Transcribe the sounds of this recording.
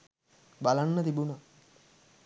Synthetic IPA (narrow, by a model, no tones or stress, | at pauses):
balanːɐt̪ibunɐ